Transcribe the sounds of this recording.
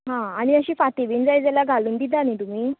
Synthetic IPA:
ɦãaɽ̃iəɕiːfat̪iʋiːnd͡zajd͡zalaɡʱaluːnd̪id̪anit̪um̤iː

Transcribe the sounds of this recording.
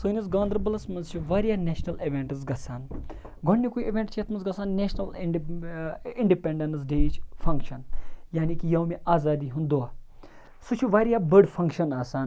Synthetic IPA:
sɨːnisɡãːnd̪ɾbɐlɐsmɐnzt͡ʃʰuʋaːɾʲjaːneːʃnɐliʋeːɳʈɨzɡɐsaːn | ɡʱoɳːikuiiʋʲẽɳʈt͡ʃʰet̪ʰmɐnzɡɐsaːnneʃnɐl | iɳɖipẽɳɖens̬ɖeːt͡ʃʰfʰɐŋkʃɐnjaːnikijɐːmeaːzaːd̪iːɦund̪oːaː | sut͡ʃʰuʋaːɾijaːbəɖfʰɐ̃ŋkʃɐnaːsaːn

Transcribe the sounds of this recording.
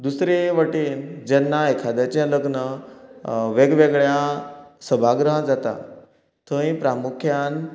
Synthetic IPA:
d̪usɾeʋəʈiːnd͡ʑɛnːaekʰad̪jat͡ɕɛ̃ləɡnə | ʋeɡʋeɡɭjasəbʱaɡɾəɦãd͡zat̪a̰ | t̪ʰə̃ĩpɾamukʰjan

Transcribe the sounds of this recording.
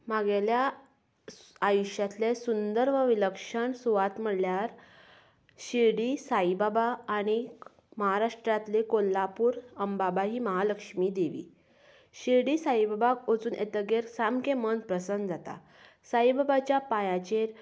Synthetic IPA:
maɡelja | ajuɕjat̪lesund̪əɾʋəʋiləkʂəɳsuʋat̪m̤əɽljaɾ | ɕiɾɽiːsaibabaːɽ̃i | məɦaɾaʂʈɾat̪lekolːapuːɾəmbabaɦiːməɦaləkʂmiːd̪eʋḭː | ɕiɾɽiːsaibabakot͡suːnʔḛt̪əɡeɾsamkemənpɾəsənd̪d͡zat̪a̰ | saibabat͡ɕjapajãt͡ɕeɾ

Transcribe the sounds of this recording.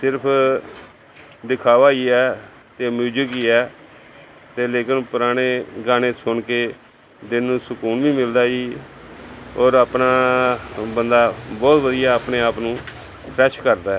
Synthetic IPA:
sɪɾpʰ | d̪ɪkʰaːʋaːiːɛː | t̪eːəmuːd͡ʒəɡiːɛː | t̪eːleːkɪnpʊɾaːɽ̃eːɡaːñeːsʊɳkeː | d̪ɪnːũːsʊkuːnʋiːmɪld̪aːiː | ɔːɾaːpnaː | bənd̪aːbɔːt̪ʋəd̪ɪjaːəpɳeːaːpnũː | pʰɾɛːʃkəɾd̪aːɛ

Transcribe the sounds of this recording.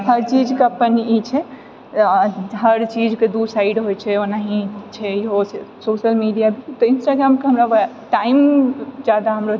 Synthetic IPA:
ɦəɾt͡ʃid͡ʒkeəpənit͡ʃʰɛ | ɦəɾt͡ʃid͡ʒked̪usaiɖɦojt͡ʃʰɛonaɦĩt͡ʃʰɛjiɦosesoʃəlmiɖijabʱit̪ɔinsʈaɡɾamkeɦəmɾaʋ | ʈaimd͡ʒad̪aɦəmɾo

